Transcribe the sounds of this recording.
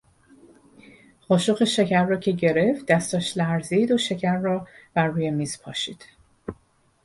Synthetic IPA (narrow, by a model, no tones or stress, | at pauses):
χɒːʃoxeʃecʰæɾːɒːcʰe̞ɟe̞ɾe̞ft̪̚d̪æst̪ɒːʃlæɾziid̪oʃe̞cʰæɾːɒːb̥æɾːuːjemiːz̥pʰɒːʃiːd̪̥